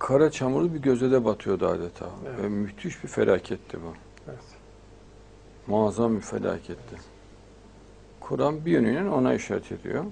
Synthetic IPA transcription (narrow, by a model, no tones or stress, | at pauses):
kʰaɾat͡ʃʰamuɾlˠɯbiɟø̞zɛd̪ɛbat̪ʰɯjo̞d̪ua̰ːd̪et̪ʰa̰ːvɛmyht̪ʰyʃbifḛlʔaːcʰɛt̪ʰːibu | maːzambifḛlʲa̰ːcʰɛt̪ʰːɪ | kʰuɾambijønynæno̞na̰iʃaːɾɛt̪ʰe̞d̪ḭjo